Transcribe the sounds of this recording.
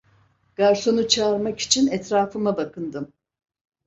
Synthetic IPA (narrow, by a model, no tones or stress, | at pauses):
ɡ̥aɾso̞nut͡ʃʰaːɾmaki̥t͡ʃʰinɛt̪ɾaːfɯmabakʰɯnd̪ɯm